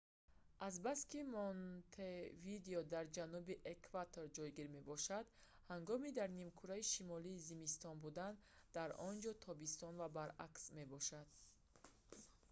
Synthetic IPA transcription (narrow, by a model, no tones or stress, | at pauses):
ʔazbaskimɔnt̪ʰevid̪eɔd̪aɾd͡ʒanubiʔekʰvat̪ʰoɾd͡ʒɔjɡiɾme̞bɔʃad̪ | haŋɡɔmid̪aɾnimkʰuɾaiʃimɔliːzimist̪ɔnbud̪and̪̥aɾɔnd͡ʒɔt̪ʰɔbist̪ɔnvabaɾa̰ksme̞bɔʃad̪̥